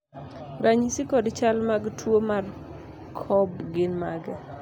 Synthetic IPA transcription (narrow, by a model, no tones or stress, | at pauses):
ɾaɲisikɔdt͡ʃalmaɡtʰwomar | kʰɔbɡɪnmaɡɛ